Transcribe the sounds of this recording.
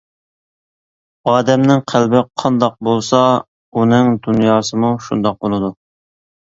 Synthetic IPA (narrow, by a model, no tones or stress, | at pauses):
ɑːd̪ɛmnɪŋqʰælbɪqʰɑnd̪ɑq̚bolˠsɑ | unɨŋd̪unjɑːsɨmuʃṵnd̪ɑq̚bolˠɨd̪u